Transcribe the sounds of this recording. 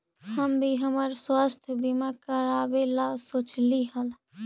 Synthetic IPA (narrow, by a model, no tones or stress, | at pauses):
həmbʱiɦəməɾswaːst̪ʰjəbimakəɾabelasot͡ʃliɦəl